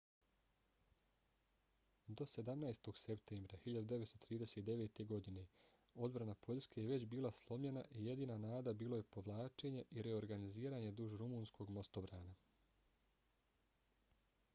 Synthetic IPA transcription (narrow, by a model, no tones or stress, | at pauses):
d̪o̞se̞d̪amnajst̪o̞ɡse̞pt̪eːmbɾahiʎad̪ud̪e̞ʋet̪st̪ot̪ɾiːd̪ese̞t̪d̪e̞ʋet̪e̞ɡo̞d̪ine̞ | o̞d̪bɾanapʰo̞ʎske̞jeʋe̞t͡ɕbiːlaslˠo̞mʎenaʔije̞d̪iːnanaːd̪abiːlˠo̞je̞po̞ʋlˠaːt͡ʃe̞ɲeʔiɾeo̞ɾɡaniziːɾaːɲe̞d̪uʒɾumuːnskʰo̞ɡmo̞st̪o̞bɾaːna